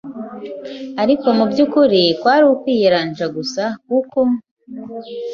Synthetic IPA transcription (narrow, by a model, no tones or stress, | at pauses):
aɾiko̞mubjuːkuɾitwaːɾiukwiːjeɾaːnd͡ʒaɡusakuko̞